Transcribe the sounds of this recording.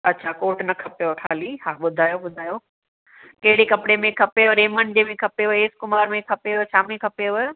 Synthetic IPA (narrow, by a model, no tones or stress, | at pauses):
ɐtːɕʰaːkoːʈnɐkʰɐpjokʰaːlihaɓʊd̪ʱaːjoɓʊd̪ʱaːjo | kɐɦɪɽekɐpɽemẽkʰɐpeʋɾeːmənd͡ʑemẽkʰɐpeʋoeːskʊmaːɾmẽkʰɐpet͡ɕʰaːmẽkʰɐpeʋə